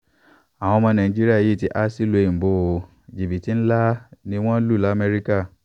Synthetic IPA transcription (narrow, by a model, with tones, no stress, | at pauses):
a˨w̃ɔ̃˧mɔ̃˧nã˨ĩ˨˦d͡ʒi˦ɾi˦a˦˨i˦˨ti˦ʔa˦si˦lo˧e˨bo˨˦˨o˧ | d͡ʒi˨bi˨ti˨˦n̩˦la˦nĩ˦w̃ɔ̃˦lu˦˨la˨˦mɛ˦ɾi˦ka˦˨